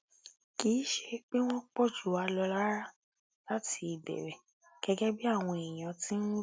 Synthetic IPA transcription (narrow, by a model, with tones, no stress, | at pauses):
kiː˨˦ʃe˧k͡pe˦w̃ɔ̃˦k͡pɔ˦˨d͡ʒu˨˦a˧lɔ˧la˦ɾa˦ | la˦ti˧i˨bɛ̰˨ɾɛ˨ | ɡ̥ɛ˦ɡɛ˦bi˦a˦˨w̃ɔ̃˧e˨j̃ã˨tĩ˦n̩˦